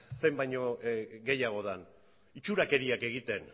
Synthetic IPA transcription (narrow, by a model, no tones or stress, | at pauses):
se̞mbajɲoɡe̞jaɣ̞o̞ðan | it͡ʃuɾake̞ɾiake̞ɣ̞it̪e̞n